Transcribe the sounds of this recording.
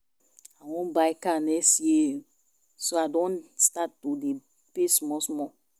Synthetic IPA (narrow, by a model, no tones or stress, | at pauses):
awɔ̃nbaɪkanɛksji | soadɔ̃nstatːude | pesmɔsmɔ